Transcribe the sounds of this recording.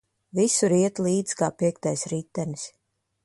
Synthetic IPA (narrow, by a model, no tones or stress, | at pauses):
visuɾiɛt̪lˠiːd̪z̥kaːpiɛk̚t̪ajsɾit̪ːɛnis